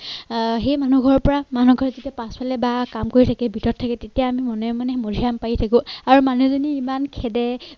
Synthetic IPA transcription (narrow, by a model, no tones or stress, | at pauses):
xejmanuɡʱɔɹɔpɔɹamanuɡʱɔɹɛtetijapãspalɛbakamkoɹitʰakɛbʱitɔtʰːakɛtetijaːmimɔnɔmanɛmoɹʱijampaitʰakʊ̃aɹumanuzoniːmankʰɛdɛ